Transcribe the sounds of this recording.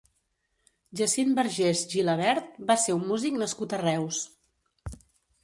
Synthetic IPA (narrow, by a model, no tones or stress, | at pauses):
ʒəsimbəɾʒezʒiləβ̞ɛɾt̪̚baseumːuziknəskut̪ərɛws